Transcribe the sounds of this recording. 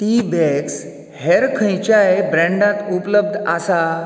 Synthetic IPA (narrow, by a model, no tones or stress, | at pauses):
ʈibɛks | heɾkʰə̃jt͡ɕjaebɾɛ̃ɳɖãt̪upləb̚d̪ʱasa